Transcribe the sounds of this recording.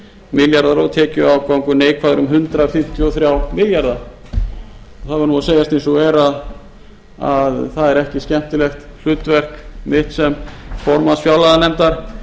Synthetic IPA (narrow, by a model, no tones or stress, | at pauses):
mɪljaɾðaɾɔt̪ʰɛːcʏawkawŋkʏneːjkʰvaːðʏɾʏmɦʏnt̪ɾafɪm̥t̪ʰjʏɔθɾjawmɪljaɾða | ɔθaðvɪɾnuaseːjast̪ejnsɔɛɾað | aðθaðɛɾɛhcɪscɛm̥t̪ɪlɛxt̪l̥ʏːt̪vɛr̥kmɪht̪sɛmfɔɾmasfjawlaðanɛmt̪aɾ̥